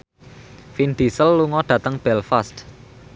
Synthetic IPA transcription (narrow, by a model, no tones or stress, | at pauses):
find̪̥i̤səlːuŋɔɖ̥ä̤t̪əŋb̥ɛlfast̪